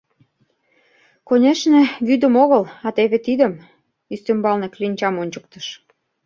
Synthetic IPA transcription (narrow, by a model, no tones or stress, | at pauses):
konʲeʃnĕβyd̪ə̆moɣəlɑt̪eβet̪id̪ə̆m | yst̪embɑlneklinʲt͡ɕɑmonʲt͡ɕə̆k̚t̪ə̥ʃ